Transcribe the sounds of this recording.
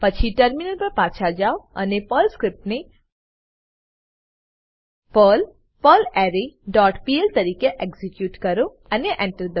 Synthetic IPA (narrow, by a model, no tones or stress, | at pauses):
pət͡ʃʰiʈəɾminəlpəɾpat͡ʃʰad͡ʒaoə̰nepəlskɾɪp̚ʈne | pəl | pəlɛɾeɖɔːʈpielt̪ɐɾiːkeʔeɡzikjuːʈkəɾo | əneʔɛ̃ɳʈəɾd̪ə